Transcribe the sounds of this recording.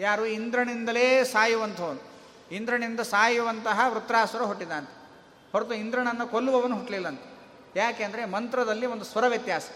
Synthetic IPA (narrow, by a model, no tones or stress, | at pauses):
jaːɾuind̪ɾɐɳind̪ɐleːsaːjuʋɐnt̪ʰɐʋɐnu | ind̪ɾɐɳind̪ɐsaːjuʋɐnt̪ɐɦɐʋɾut̪ːɾaːsɐɾɐɦoʈːid̪aːnt̪ɐ̥ | ɦhoɾt̪uind̪ɾɐɳɐnːɐkolːuʋɐʋɐnːuɦuʈlilːɐnt̪ɐ̥ | jaːkeːɐnd̪ɐɾemɐnt̪ɾɐd̪ɐlːiond̪usʋɐɾɐʋjɐt̪jaːsɐ̥